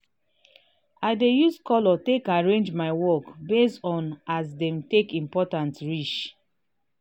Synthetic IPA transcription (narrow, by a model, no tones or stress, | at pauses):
aɪdejuskɔlɔtekaɹẽnd͡ʒmaɪwɔkbestɔ̃nasdɛ̃mtekĩmpɔtãntɹit͡ʃ